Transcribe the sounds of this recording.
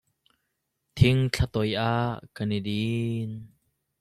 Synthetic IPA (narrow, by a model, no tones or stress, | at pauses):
t̪ʰɪŋt͡ɬʰat̪ɔjʔaːʔkanidin